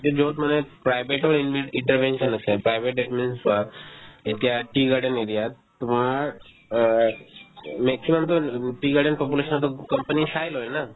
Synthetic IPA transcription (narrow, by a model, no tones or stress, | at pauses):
ked͡ʒoːt̪mənepɾaːɪbeʈolɪʋeɪ̃ɳʈəɾʋẽːnʃənəsepɾaːɪʋeʈ̚ɖepmensʋaet̪ijaʈiːɡaɖəneɾijat̪mãɾ | meːksiməmt̪oʈiɡaːɖənpop̬uleːʃənt̪okɐmpənisaːjlɦoːena